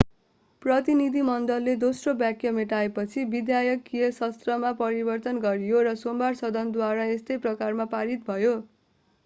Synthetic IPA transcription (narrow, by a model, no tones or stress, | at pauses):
prʌt̪inid̪ʱimʌnd̪ʌlːed̪osrobjakjʌmeʈaepʌt͡sʰibid̪jajʌkːijʌsʌst̪rʌmapʌɾibʌrt̪ʌnɡʌɾijoɾʌsombarsʌd̪ʱʌnd̪waɾaest̪ʌjprʌkarmapaɾit̪̚bʱʌjo